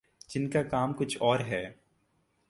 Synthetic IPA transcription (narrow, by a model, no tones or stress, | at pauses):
d͡ʒɪnkakaːmkʊt͡ʃʰɔːɾɦɛː